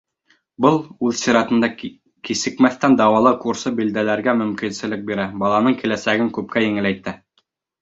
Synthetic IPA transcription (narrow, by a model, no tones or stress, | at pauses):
bɤlˠʉðsiɾɑt̪ɤ̆nd̪ɑ | kisɘ̆kmæθt̪ænd̪ɑwɑlˠɤkuɾsɤbild̪ælæɾɡæmɵ̆mkinsɘ̆lɘk̚biɾæbɑlˠɑnɤɴkilæsæɡɘŋkʉp̚kʰæjɘ̆ŋɘ̆læjt̪æ